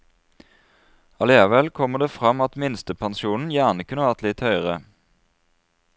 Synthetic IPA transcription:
ɑleːɑʋɛlkʰɔməd̪eːfʁɑmɑt̪mɪnst̪əpʰɑnsuːnn̩jæʁnəkʰʉnəʋæʁt̪lɪt̪hœʏʁə

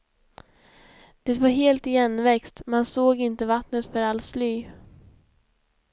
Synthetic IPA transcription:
d̪̥ɛt̪vaɾɦeːlt̪ɪjɛnːvɛkst̪mansoːɡɪnt̪əvat̪nət̪fœɾalslyː

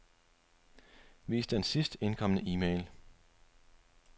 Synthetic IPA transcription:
ʋḭːsd̥ensisd̥e̝nkʰɒ̽m̰nəʔiːmeɪl

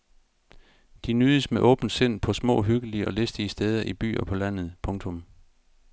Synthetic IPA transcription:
d̥inyːðˠəsmeʔɔ̽ːb̥n̩d̥se̝n̰pʰɒ̽smɔ̰̽ːɦyɡ̥əliəʔɒ̽lesd̥iəsd̥eːð̞ˠɐʔib̥y̰ːɐpʰɒ̽læn̰ð̞̩ˠpʰɔ̽ŋt͡sʰɔ̽m

